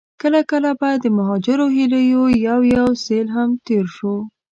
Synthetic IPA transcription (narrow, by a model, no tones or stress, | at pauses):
kəlakəlabad̪ːəmaɦɑd͡ʒɪɾoɦiləjojawjawselɦamt̪eɾʃo